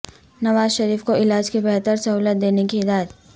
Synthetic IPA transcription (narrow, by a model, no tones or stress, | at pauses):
nɐʋaːzʃɐɾiːfkoɪlaːd͡ʒkibɛɦt̪əɾsɐɦuːlət̪̚d̪eːnekiɪd̪aːjət̪